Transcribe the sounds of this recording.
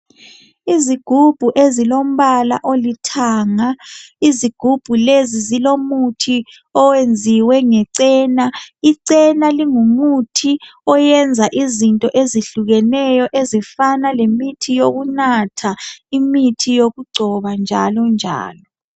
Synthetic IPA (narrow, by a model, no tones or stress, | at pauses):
iziɡ̥ʱub̥ʱuʔezilom̩βala̰ʔolitʰaːŋaiziɡ̥ʱub̥ʱulezizilomutʰi | ɔwend͡zʱiwɛŋɛǀɛːnaiǀɛnaliŋumutʰiɔjɛnd͡zʱaʔizintʼɔʔeziɬuɣɛnɛjɔʔezifanalemitʰijoɣunatʰaimitʰijoɣuɡ͡ǀʱɔβand͡ʒʱa̰lɔnd͡ʒʱa̰ːlɔ